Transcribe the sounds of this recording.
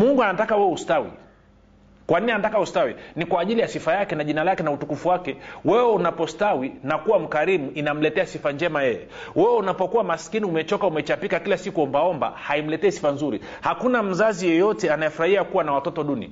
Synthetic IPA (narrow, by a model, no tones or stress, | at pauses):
muŋɡuanatakawɛwɛustawḭ | kwan̩ianatakaustawinikwaːʄilijasifajakɛnaʄinalakɛnautukufuwakɛwɛwɛunapɔstawinakuwam̩kaɾimuinam̩lɛtɛasifaɲd͡ʒɛmajɛjɛ̰ | wɛwɛunapɔkuwamaskiniumɛt͡ʃɔkaumɛt͡ʃapikakilasikuɔmbaɔmba̰haim̩lɛtɛːsi̥fanzuɾḭ | hakunam̩zazijɔjɔtɛanajɛfuɾahiakuwanawatɔtɔɗunḭ